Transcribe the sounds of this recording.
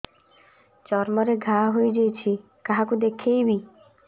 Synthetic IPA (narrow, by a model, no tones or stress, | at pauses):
t͡ʃɔɾmɔɾeɡʱaɦojd͡ʒejt͡ʃʰi | kaɦakud̪ekʰejbi